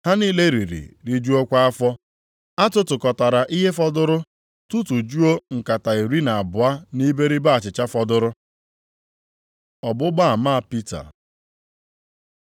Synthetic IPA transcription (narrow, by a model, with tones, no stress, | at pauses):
ha˦niː˦le˦ɾi˨ɾḭ˨ɾi˦d͡ʒu˦o˦kʷa˦a˦fɔ˦ | a˦tʊ˦tʊ˨kɔ˨ta˨ɾa˨ʔi˦ɦe˦fɔ˦dʊ˦ɾʊ˦ | tu˦tu˨d͡ʒu˦o˦ŋ̩˨ka˨ta˨i˨ɾi˦na˨a˨bʊ˨a˦ni˦be˦ɾi˦ba˦a˨t͡ʃɪ˨t͡ʃa˦fɔ˦dʊ˦ɾʊ˦ | ɔ˨bʊ˦ɡ͡ba˦a˨maː˦a˦˨pi˦ta̰˨